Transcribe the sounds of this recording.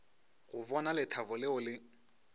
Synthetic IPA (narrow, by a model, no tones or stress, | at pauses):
ɣʊbɔnalɪtʰabʊlɪʊlɪ